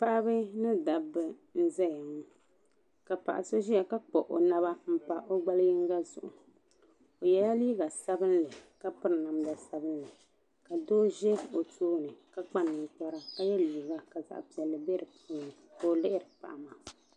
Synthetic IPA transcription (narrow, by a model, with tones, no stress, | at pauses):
pa˦ʔa˦bɨ˦nɨ˦da˨bɨ˨n̩˦zɛ˦ja˨ŋ˦ | ka˨pa̰˨ʔa̰˨so˦ʒi˦a˨ka˦k͡po˨ʔo˨na˦βa˦m̩˦pa˨ʔo˦ɡ͡ba˦lji˦ŋ˦ɡa˦zʊ̰˨ʔʊ˨ | o˨jɛ˦ja˦liː˦ɡa˨sa˦bɨ˦n˦lɨ˨ka˦pɨ˦ɾɨ˨na˨mda˨sa˦bɨ˦nlɨ˨ | ka˨doː˦ʒɛ˦o˨tʰoː˦nɨ˨ka˦k͡pa˦nːɨ˨ŋ˨k͡pa˦ɾa˨ka˦jɛ˦liː˨ɡa˨ka˨za̰˨ʔpi˨ɛ˨lːɨ˨bɛ˦ɾɨ˨pʰuː˦nɨ˨ko˨lɪ˦ʔɪ˦ɾɨ˨k͡pa̰˨ʔa˨ma˨